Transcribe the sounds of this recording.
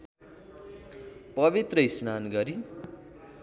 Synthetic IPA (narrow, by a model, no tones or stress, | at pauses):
pʌbit̪rʌisnanɡʌɾi